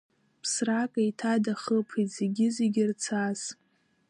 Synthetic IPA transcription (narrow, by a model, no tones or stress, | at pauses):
pʰsrakʼaitʰadaχəpʰitzeɡʲɪzeɡʲɪrt͡sʰaz̥